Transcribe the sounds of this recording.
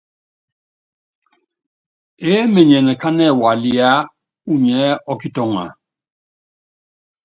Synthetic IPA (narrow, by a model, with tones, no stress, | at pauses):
e˦mɛ˨ɲɛ˨nɛ˨ka˦nɛ˦˨wa˨li˦a˦ | u˦ɲɛ˨˦ɔ˦ki˦tɔ˦ŋa̰˨